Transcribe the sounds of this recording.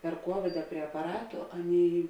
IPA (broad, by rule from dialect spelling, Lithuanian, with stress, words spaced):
pʲɛr ˈkuɔʋʲɪdɐ pʲrʲiɛ ɐpɐˈrɑːtʊ ˈɑːˌnʲeːɪ